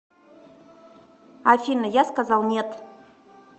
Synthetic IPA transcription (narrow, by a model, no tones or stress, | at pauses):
afʲinəjaskazɑlˠnʲet̪